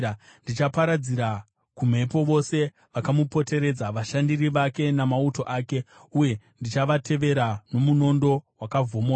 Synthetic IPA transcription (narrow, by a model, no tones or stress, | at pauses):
ndit͡ʃapaɾad͡ziɾa | kum̤e̞po̞ʋo̞se̞ | ʋakamupo̞te̞ɾe̞d͡zaʋaʃandiriʋake̞namauto̞ʔaːke̞uje̞ | ndit͡ʃaʋatʰe̞ʋe̞ɾano̞muno̞ndo̞wakavʱo̞moa